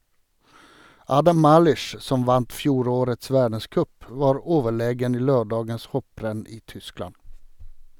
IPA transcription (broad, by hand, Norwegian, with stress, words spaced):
ˈɑːdɑm ˈmɑːlʏʃ ˈsɔm ˈʋɑnt ˈfjuːɾoːɾəts ˈʋæːɖəˌskœp ˈʋɑːɾ ˈoːʋəˌɭeːɡən ˈiː ˈløːɖɑːɡəns ˈhɔpɾɛn ˈiː ˈtʏˌsklɑn